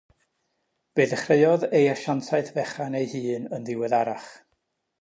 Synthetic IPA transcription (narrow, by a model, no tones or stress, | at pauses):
b̥eːðəχreɨɔðejaʃantʰaɨθvɛχanejhɨːnənðɪwɛðaɾaχ